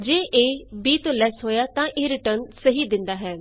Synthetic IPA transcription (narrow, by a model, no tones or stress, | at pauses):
d͡ʒeːʔeːbiːt̪õːlɛːsɦoːjaːt̪ãːʔeːɾɪʈəɾnsəɦiːd̪ɪ̃nd̪aːɦɛː